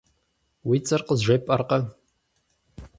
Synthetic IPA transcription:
wiːt͡sʼɐrqəzʒʷepʼɐrqɐ

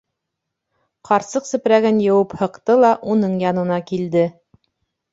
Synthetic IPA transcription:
qɑɾsɤqsɘ̆pɾæɡɘnjɤ̆wɤphɤ̆qt̪ɤlˠɑʔunɤɴjɑnɤ̆nɑkild̪ɘ

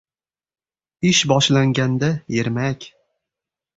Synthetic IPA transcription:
ɪʃbɒʃlaŋɡʲand̪ajeɾmakʲ

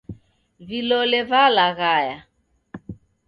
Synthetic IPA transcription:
vilɔlɛvalaɣaja

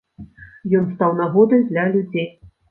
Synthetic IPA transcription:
jɔnst̪awnaɣɔd̪ɐjd̪lʲɐlʲud͡zʲej

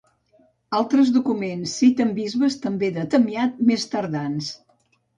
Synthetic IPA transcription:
alˠt̪ɾəzðukumensːit̪əmbizβəst̪əmbeðət̪əmiat̪̚mest̪əɾðans

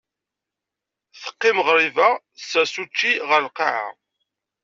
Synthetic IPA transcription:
θə̥qːɪmʁɾivæ | sæsut͡ʃːiʁəɾlqɑʕa̰

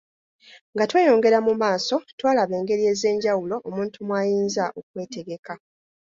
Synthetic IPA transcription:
ŋɡatwe̞ːjo̞ːŋɡe̞ɾamumaːso̞twaːlaβe̞ːŋɡe̞ɾie̞ːze̞ːɲɟawulo̞ʔomũːntumwaːjiːnzaʔok̚we̞ːteɡe̞ka

